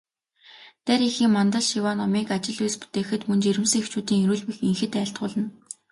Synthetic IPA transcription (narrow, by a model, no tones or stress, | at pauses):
t̪æɾixiːŋmɔnt̪ə̆ɮʃiwaːnɔmiːkat͡ɕɪ̆ɮuːspu̥t̪eːxɘ̆t̪mɵnt͡ɕeɾɘ̆ms̆ŋext͡ɕuːt̪iːŋiɾuːɮpĭxiŋxɘ̆t̪æːɬt̪̚ɢʊːɮə̆n